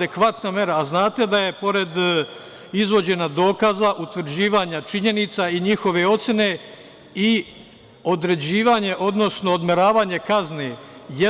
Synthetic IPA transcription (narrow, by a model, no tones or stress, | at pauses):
ekʋat̪namje̞ɾaːznaːt̪e̞d̪aje̞po̞ɾe̞d̪ | izʋo̞d͡ʑe̞nad̪o̞ːkazaʔut̪ʋɾ̩d͡ʑiːʋaɲat͡ʃiɲe̞nit̪saiɲixo̞ʋe̞o̞t̪sʲjene̞ | i | o̞d̪ɾe̞d͡ʑiːʋaɲe̞ʔo̞d̪no̞sno̞ːd̪me̞ɾaːʋaːɲe̞kazneje